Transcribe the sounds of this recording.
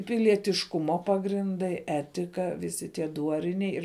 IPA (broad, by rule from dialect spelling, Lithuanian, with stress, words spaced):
pʲɪlʲiɛtʲɪʃˈkʊmoː pɐɡrʲɪnˈdɐɪ ˈæːtʲɪkɐ ʋʲɪˈsʲɪ tʲiɛ ˈduɔrʲɪnʲɛɪ ɪr